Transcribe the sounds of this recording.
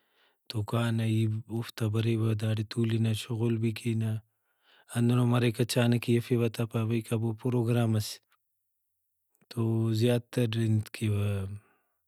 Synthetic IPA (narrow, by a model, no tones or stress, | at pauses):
t̪okaːnɐiuft̪ɐbɐɾibɐd̪aːɽit̪uːlinɐʃoɣolbikinɐ | ɐnd̪unomɐɾɐkɐt͡ʃaːnɐkijɐfiβɐt̪apɐbɐjkabopɾoːɡɾaːmɐs | t̪ozjaːt̪ɐɾind̪kʰiβɐ